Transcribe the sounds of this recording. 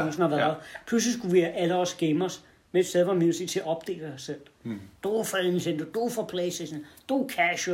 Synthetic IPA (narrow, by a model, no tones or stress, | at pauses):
ɑŋsn̩hɑʋæɐpʰlus̬lisɡ̥uʋiæʔæləɒsɡ̥emɒs | meed̥steð̞ˠʋɑminsit͡sʰe̝ɐɒ̽b̥d̥e̝̰ːləɑsel̰d̥ofɒensend̥od̥ofɒpʰleseʃnd̥okʰæʃ